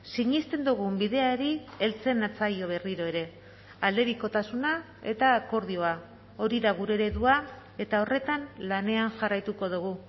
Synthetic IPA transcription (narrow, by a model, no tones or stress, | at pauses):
siɲist̪e̞nd̪uɣ̞umbiðe̞aeɾie̞lt͡se̞nat͡sajo̞β̞e̞riɾo̞e̞ɾe̞ | ald̪e̞ɾiko̞t̪asuna | e̞t̪ako̞ɾðio̞a | o̞ɾiðaɣuɾeɾe̞ðua | e̞t̪ao̞re̞t̪anlane̞anʝarajt̪uko̞ðuɣu